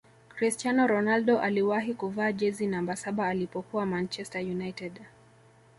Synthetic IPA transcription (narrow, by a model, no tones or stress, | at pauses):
kɾistanɔɾɔnaldɔʔaliwaɦikuvaːʄɛzinambasaɓaːlipɔkuwamant͡ʃɛstajunajtɛd